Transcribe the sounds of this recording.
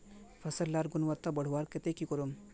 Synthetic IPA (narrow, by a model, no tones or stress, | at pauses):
pʰɐsɐlːaːɾɡunʋɐt̪ːabɐɽ̤uʋaɾket̪ekikɔɾum